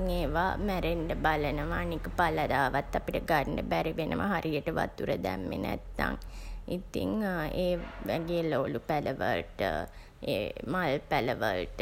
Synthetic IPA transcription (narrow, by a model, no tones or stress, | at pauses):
ŋeːʋamæɾeɳɖəbalənəʋaːnikəpaləd̪aːʋat̪ːapiʈəɡaɳɖəbæɾiʋenʔəʋəɦaɾʔijəʈəʋa̰t̪uɾəd̪æmːḛnɛ̰t̪ːa̰ŋit̪ḭŋeːʋæɡejəloːlupæləʋə̰lʈə̰ | ḛːmalpæləʋəlʈə